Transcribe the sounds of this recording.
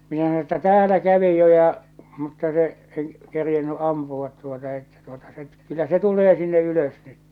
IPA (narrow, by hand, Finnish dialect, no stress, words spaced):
minæ sɑno etːæ tæːlæ kæʋi jo jɑ mutːɑ se en kerjenːy ʔɑmpuʋɑt tuotɑ etːæ tuotɑ se kylːæ se tulˑeː sinːe yløs nyt